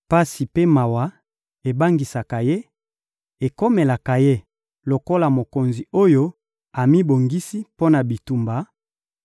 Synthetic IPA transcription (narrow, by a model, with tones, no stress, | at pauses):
pa˦si˨pe˦ma˨wa˨ | e˨ba˦ŋɡi˨sa˨ka˨je˦ | e˨ko˦me˨la˨ka˨je˦ | lo˨ko˦la˨mo˨ko˨nzi˨o˦jo˦ | a˨mi˦bo˨ŋɡi˦si˦po˦na˨bi˨tu˨mba˨